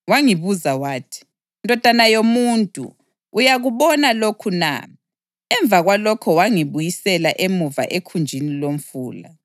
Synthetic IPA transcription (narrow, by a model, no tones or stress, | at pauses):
waŋiβuzawaːtʰi̥ | ndʱɔd̥ʱanajomuntʼṵː | jaɣuβɔnalokʰuna̰ | ɛɱb̪vʱaɣwalɔkʰɔwaŋiβujisɛlaʔemuva̰ʔekʰund͡ʒʱinilom̩fuːla̰